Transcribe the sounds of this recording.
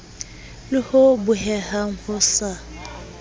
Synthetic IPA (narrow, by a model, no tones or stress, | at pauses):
lɪhobʊhɛhaŋ̩hʊsa